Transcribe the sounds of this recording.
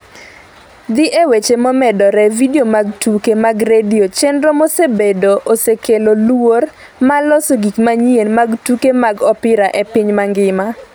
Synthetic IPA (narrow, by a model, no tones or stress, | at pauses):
d̪ɪʔewet͡ʃemɔmɛdɔɾɛvidiomaɡtukemaɡɾediot͡ʃendɾomɔsebedoʔosekelolor | malɔsoɡikmaɲienmaɡtukemaɡɔpɪɾaʔepɪɲmaŋɡɪma